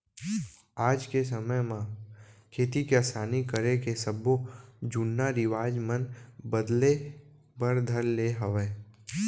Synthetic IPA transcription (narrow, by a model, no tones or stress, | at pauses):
aːd͡ʒkes̬əməjmãkʰeːt̪ikeasaːnikəɾekesəbod͡ʒʊnːaɾɪʋaːd͡ʒmənbəd̪le | bəɾd̪ʱəlːeɦəʋeː